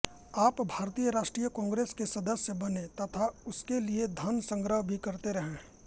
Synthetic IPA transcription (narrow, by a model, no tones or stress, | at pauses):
aːpbʱaːɾt̪iːjəɾaːʃʈɾijəkɔ̃ːŋɡɾeːskesɐd̪əsjəbɐnẽt̪ɐt̪ʰaʊskelied̪ʱɐnsə̃ŋɡɾəɦbʱikɐɾt̪eɾɐɦẽː